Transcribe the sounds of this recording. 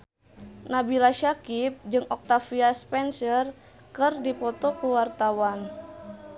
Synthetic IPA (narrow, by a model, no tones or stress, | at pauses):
nabilaʃakip̚d͡ʒɨŋɔk̚t̪afiaspɛnsər | kɨrdipɔt̪ɔkuwart̪awan